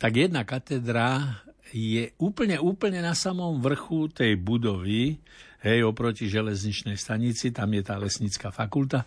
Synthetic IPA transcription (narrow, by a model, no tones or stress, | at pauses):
t̪aɡjɛd̪nakat̪ɛd̪ɾa | jɛuːpl̩ɲɛuːpl̩ɲɛnasamɔmʋr̩xut̪ɛjbud̪ɔʋi | ɦɛjɔpɾɔciʒɛlɛzɲit͡ʃnɛjst̪aɲit͡sit̪amjɛt̪aːlɛsɲit͡skafakult̪a